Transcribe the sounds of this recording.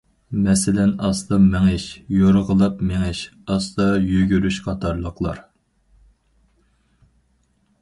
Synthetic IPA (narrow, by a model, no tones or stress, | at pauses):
mɛsɪlɛnɑsd̪ɑmeŋɪʃjoɾəʁəlˠɑpmeŋɪʃɑsd̪ɑjyɡʲyɾyʃqʰɑt̪ʰɑɾlˠəqlˠɑ̰ɾ